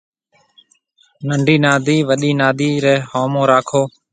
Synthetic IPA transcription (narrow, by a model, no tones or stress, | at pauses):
nəɳɖʱiːnaːd̪iːʋəɗiːnaːd̪iːɾɛːhoːmõːɾaːkʰoː